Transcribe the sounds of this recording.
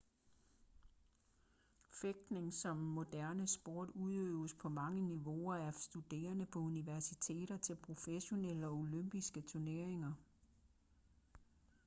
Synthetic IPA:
feɡ̥̚d̥ne̝ŋsɒ̽mːo̝d̥æɐnəsb̥o̝̰ːd̥uðˠøːʊəspʰɒ̽mɑ̈ŋəniʋo̝ɐæɐsd̥ud̥e̝̰ːɐnəpʰɒ̽uniʋæɐsit͡sʰe̝̰ːɾ̥ɐt͡sʰe̝lpʰʁo̝feɕo̝neləɒ̽o̝løm̰b̥isɡ̥ət͡sʰuɐne̝ɐe̝ŋɐ

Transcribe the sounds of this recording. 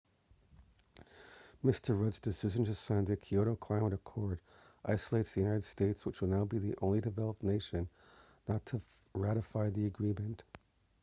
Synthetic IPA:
mɪstʰə˞ɹʌdzd̥ɨsɪʒɨ̃n̩tɨsæ̃ndɨkʰioʊɾoʊkʰl̥ãɪməɾɨkʰɔɹɾ | ʔaɪsəleɪtsðijʉnaɪɾɨd̥steɪtswət͡ʃwəl̩ˠnaʊbiðiʔõʊ̃nlidɨvɛlˠəp̚neɪʃɨ̃nː | ətʰɨ | ɹæɾɨfaɪðiɨɡɹimɨ̃nt

